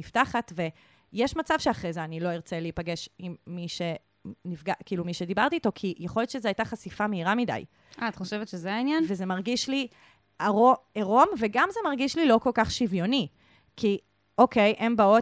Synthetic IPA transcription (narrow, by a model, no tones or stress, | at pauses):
iftaχat̪ve̞ | jeʃmat͡sav̥ʃeaχʁejzeanilo̞iʁt͡seleipaɡe̞ʃimːiʃe̞ | nivɡakiːlumiʃedibaʁt̪iːto̞kʰijeχo̞ljo̞tt͡ʃʃezeajtaχasifameiʁamida̰j | aːt̪χoʃevet̪ʃezeainjanveze̞maʁɡiʃli | aʁo̞eʁo̞mve̞ɡamze̞maʁɡiʃlilo̞ko̞lkaχʃivjoni | ki | o̞kʰejʔe̞mbao